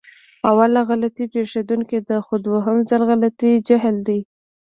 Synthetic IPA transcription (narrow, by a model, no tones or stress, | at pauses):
awalaɣalat̪ipeʂed̪uŋkid̪əxʊd̪woɦəmzalɣalat̪id͡ʒaɦld̪i